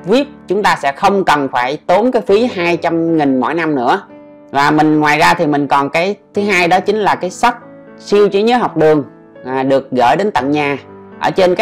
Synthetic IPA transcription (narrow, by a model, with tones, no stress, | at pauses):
vi˦˥əp̚t͡ɕʊ˨˦ŋ͡mt̪aː˧sɛ̰˧˥xə˧wŋ͡mkə˨˩nfaː˧˩jt̪o˨˦nkaː˨˦jfi˨˦ɦaː˧jt͡ɕa˧mŋï˨˩ŋ̟mo̰˧˥jna˧mnɨ̰˧˥ə | vaː˨˩mï˨˩ŋ̟ŋwaː˨˩jzaː˧t̪ʰi˨˩mï˨˩ŋ̟kɔ˨˩nkaː˨˦jt̪ʰɨ˨˦ɦaː˧jɗɔ˨˦t͡ɕï˨˦ŋ̟laː˨˩kaː˨˦jsa˦˥t̚ | si˧əwt͡ɕi˧˦ɲəː˨˦jɦɔ˨˩wk͡p̚ɗɨ˨˩əŋ | maː˨˩ɗɨ˨˩ək̚ɣə̰ː˧˩jɗe˨˦nt̪ə̰˧˨ŋɲaː˨˩ʔə̰ː˧˩t͡ɕe˧nkː